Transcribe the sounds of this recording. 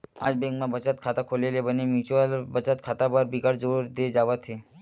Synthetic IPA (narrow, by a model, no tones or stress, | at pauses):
a̰d͡ʒbɛ̃ŋkmãbət͡ʃat̪̚kʰat̪akʰolelebənemjut͡ʃuəlbət͡ʃat̪̚kʰat̪abəɾbiɡaɽd͡ʒəuɾd̪ed͡ʒaʋat̪ʰe